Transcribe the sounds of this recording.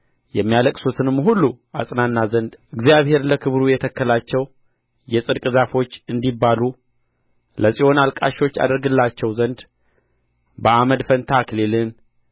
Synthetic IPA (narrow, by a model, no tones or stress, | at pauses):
jɛmːijaləkʼsot̪ʰɨnɨmːɦulːu | a̰sʼnanːazənd̪ʔɨɡzijaβhe̞ɾləkʰɨβɾujɛt̪ʰəkːəlat͡ʃːɛw | jɛsʼɨd̪kʼɨzafo̞t͡ʃːɨnd̪ibːalu | ləsʼio̞nalkʼaʃo̞t͡ʃːa̰d̪əɾɡɨlːat͡ʃːɛwzənd̪ | bəaməd̪fənt̪ʰaklelɨn